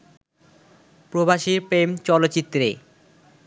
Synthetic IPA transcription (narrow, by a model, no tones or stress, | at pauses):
pɾobaʃiɾpɾemt͡ɕɔlotːɕit̪ːɾḛ